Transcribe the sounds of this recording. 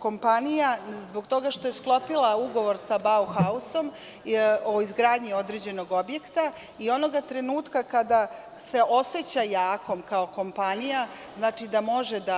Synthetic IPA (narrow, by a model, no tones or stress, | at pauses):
ko̞mpanijazbo̞ɡt̪o̞ɡaʃt̪o̞je̞sklˠo̞pilˠauɡo̞ʋo̞ɾsabauxauso̞m | oizɡɾaːd̪ɲio̞d̪ɾeːd͡ʑe̞no̞ɡo̞bje̞kt̪a | io̞no̞ɡat̪ɾe̞nuːt̪kakad̪a | se̞o̞set͡ɕajaːko̞mkaoko̞mpanija | znaːt͡ʂid̪amo̞ʒed̪a